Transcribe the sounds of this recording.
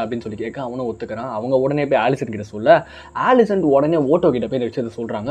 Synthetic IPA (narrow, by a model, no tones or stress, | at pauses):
ɐpɐɽɪnːɯsɔlːikːeːkːɐ̃ɐʋɐɳʊ̃ɔt̪ːɯkːɐɾãːɐʋɐŋɡɐɔɽɐneːɪpːoaːɭɪsɐnkɪʈːɐsɔlːɐ | aːlɪsɐɳʈɔɽɐneːoːʈːoːkɪʈːɐpːɪndɐʋɪʂɪjɐt̪ːlɐsɔlrɾaːŋɡɐ